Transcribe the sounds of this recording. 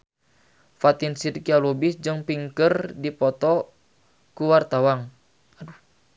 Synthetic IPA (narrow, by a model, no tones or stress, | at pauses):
fat̪insirkialobisd͡ʒɨŋpiŋkərdipɔt̪ɔ | kuwart̪awaŋ